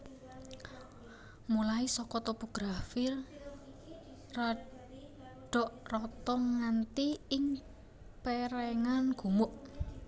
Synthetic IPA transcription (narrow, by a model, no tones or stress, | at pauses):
mulaisɔkɔt̪opoɡ̥ɾafɪr | ra | ɖ̥ɔʔrɔt̪ɔŋːant̪iɪŋ | pɛɾɛŋanɡ̥ṳmʊʔ